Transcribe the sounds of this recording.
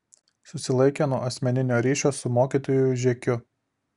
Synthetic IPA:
sʊsʲɪlˠɐɪkʲenuɔʔɐsʲmʲɛnʲɪnʲoːɾʲiːʃʲoːsʊmoːkʲiːˑt̪oːjʊʒʲɛkʲʊ

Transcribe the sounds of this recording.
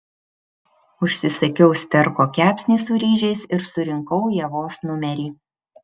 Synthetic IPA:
ʊʃʲsʲɪsɐkʲɛʊsʲt̪ʲɛɾkoːkʲæːpʲsʲnʲiːsʊɾʲiːʒʲɛɪsɪɾsʊɾʲɪŋkɒʊjɛʋoːsnʊmʲɛɾʲiː

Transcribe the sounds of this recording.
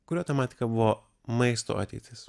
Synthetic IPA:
kʊɾʲoːt̪ɐmɑːt̪ʲɪ̥kɐbʊʋoː | mɐɪst̪o̰ːʔɐ̰t̪ʲɛ̰ːt̪ʲɪs

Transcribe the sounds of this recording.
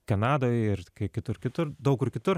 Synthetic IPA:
kɐnɑːd̪oːjɪrkɐɪkʲɪt̪ʊrkʲɪt̪ʊrd̪ɐʊkɪrkʲɪt̪ʊr

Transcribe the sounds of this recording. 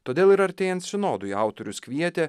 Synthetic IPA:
t̪oːd̪ʲeːlˠɪɾɐɾʲt̪ʲeːjɛnt̪sʲɪnoːd̪ʊiɑʊt̪oɾʲʊskʲʋʲiɛt̪ʲeː

